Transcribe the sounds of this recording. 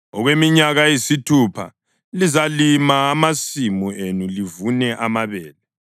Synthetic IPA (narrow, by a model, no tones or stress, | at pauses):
ɔɣwemiɲaɣajisitʰupʰa̰ | lizalimaːmasimuenulivunɛʔamaβɛːlɛ